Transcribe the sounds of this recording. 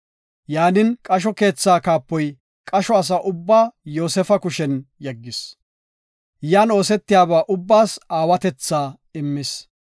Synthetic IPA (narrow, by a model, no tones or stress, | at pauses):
jaːnɪnkʼɐʃ̬ɔke̞ːt͡sːaːkaːpːɔj | kʼɐʃɔɐs̬aʔʊbːaːjo̞ːsɛfɐkʊʃɛnjɐɡːɪs | jaːno̞ːsɛt̪ːɪjaːbaːʔʊbːaːsaːwɐt̪ɛt͡sːaː | ɪmːɪs